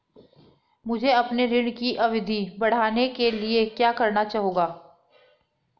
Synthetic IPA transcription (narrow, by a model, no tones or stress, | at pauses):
mʊd͡ʒʱeɐpneɾɪɳkiʔɐʋɪd̪ʱibɐɽ̤aːnekeliekjaːkɐɾnat͡ʃaːɦoːɡaː